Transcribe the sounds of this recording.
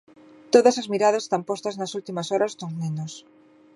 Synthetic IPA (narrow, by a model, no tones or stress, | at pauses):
t̪oðɐsɐzmiɾað̞ɐse̥st̪ampost̪ɐznɐsult̪imɐsɔɾɐst̪oŋnẽnos